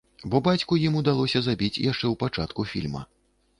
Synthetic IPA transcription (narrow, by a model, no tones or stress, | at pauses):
bɔbat͡sʲkujimud̪alˠɔsʲɐzabʲit͡sʲjaʂt͡ʂɛwpat͡ʂat̪kufʲḭlʲmɐ̰